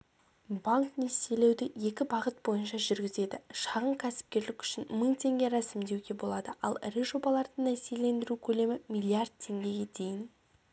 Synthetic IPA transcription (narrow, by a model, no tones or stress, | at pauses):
bɑŋknest̪ele̞wd̪ɪje̞kʲɪbɑʁət̪̚bo̞jənʃɑʒʏɾɡʲɪze̞d̪ɪʃɑʁəɴkʲʰæsɪ̥p̚kʲe̞ɾlɪkʲʏ̥ʃɪnməɴt̪ʰe̞ŋɡʲe̞ɾɑsɪmd̪e̞wɡʲe̞bo̞lˠɑd̪əʔɑ̰lˠɾiʒo̞bɑlˠɑɾd̪əɴnæsijele̞nd̪ɪɾukʲʰɵle̞mɪmʲijlʲˠijard̪̚t̪ʰe̞ŋɡʲe̞ɡʲe̞d̪e̞jɪn